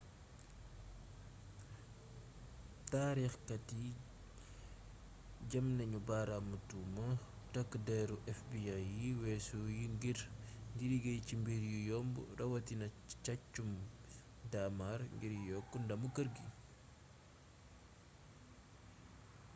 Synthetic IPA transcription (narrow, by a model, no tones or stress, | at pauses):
taːɾixkɐti | ɟɐmnɐɲubaːɾamutumɐ | tɐkːdɛɾuʔɛfbiajiwɛːsujiŋɡiɾŋɡiɾiɡejcimbiɾjujɔmbṵɾɐwɐtinɐt͡ʃat͡ʃːum | damaɾŋɡiɾjɔkːundɐmukəɾɡi